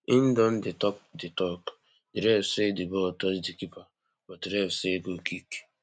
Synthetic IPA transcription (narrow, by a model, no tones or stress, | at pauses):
in̩dɔn̩dɪtɔk̚dɪtɔk | diɾɛfsedibɔtɔsdikipa | bɔtiɾɛfseɡokiki̥